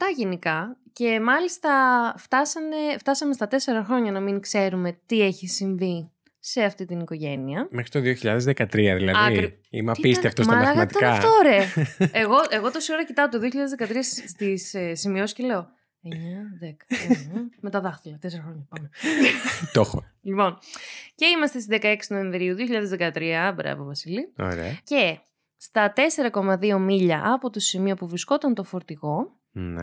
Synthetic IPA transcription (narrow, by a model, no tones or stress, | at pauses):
ft̪ɐʝenikɐce̞mɐlist̪ɐft̪ɐsɐne̞ft̪ɐsɐme̞st̪ɐt̪e̞se̞ɾɐxɾo̞ɲɐnɐmiŋkse̞ɾume̞t̪ie̞çisiɱvi | se̞ɐft̪it̪iniko̞ʝe̞niɐmexɾit̪oðio̞çiʎɐ̰ðezðekɐt̪ɾiɐðḭlɐɐii | ḭmɐpisiɐft̪osmɐlɾɐɐɣɐɐt̪ikɐft̪oɾeeɣo̞ʔe̞ɣo̞t̪osioɾɐcit̪ɐot̪o̞ðioçiʎɐðezðekɐt̪ɾiɐsst̪issimio̞si̥cele̞o̞ | eɲɐðekɐ̥ | me̞t̪ɐðɐxθilɐt̪eseɾɐxɾoɲɐpɐno | t̪oxo | lipo̞nce̞imɐst̪est̪izðe̞kɐe̞ksnoeɱvɾiuðioçiʎɐðe̞zðekɐt̪ɾiɐbɾɐ̰vovɐsilio̰ɾḛɐce̞ | st̪ɐt̪e̞se̞ɾɐko̞mɐðio̞miʎɐʔɐpot̪o̞simio̞puvɾisko̞t̪ɐnt̪o̞fo̞ɾt̪iɣo̞ | nḛ